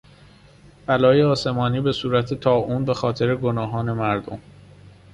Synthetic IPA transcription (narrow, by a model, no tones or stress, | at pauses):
b̥ælɒːjeɒːse̞mɒːniːbe̞suːɾæt̪ʰe̞t̪ʰɒːʔuːnbe̞xɒːt̪ʰe̞ɾe̞ɡonɒːɦɒːne̞mæɾd̪o̞̰m